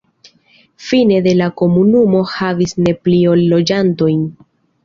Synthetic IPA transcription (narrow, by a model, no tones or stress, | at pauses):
fine̞de̞lako̞munumo̞havisne̞plio̞lːo̞d͡ʒanto̞jn